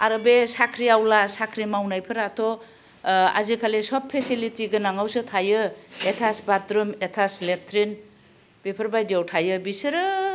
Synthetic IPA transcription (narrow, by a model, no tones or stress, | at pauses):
aɾɯbesakʰɾiawlasakʰɾimawnajpʰɯɾatʰɔ | a̰zikʰalesɔpʰːesilitiɡɯnaŋawsɯtʰajɯetʰasbatɾɯmetʰasletʰɾin | b̥epʰɯɾbajdiawtʰajɯbisɯɾɯ